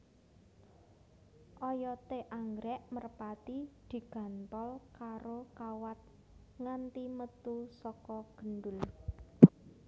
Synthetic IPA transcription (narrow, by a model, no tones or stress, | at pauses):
ʔɔjɔt̪eʔaŋɡɾɛʔmərpat̪id̪̥i̤ɡ̥ä̤nt̪ɔlkaɾokawat̪̚ | ŋant̪imət̪usɔkɔɡ̥ənɖʊl